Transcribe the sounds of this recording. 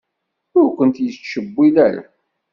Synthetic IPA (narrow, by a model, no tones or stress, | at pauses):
ʊɾkʷənt̪jət͡sːʃəbːilæɾa̰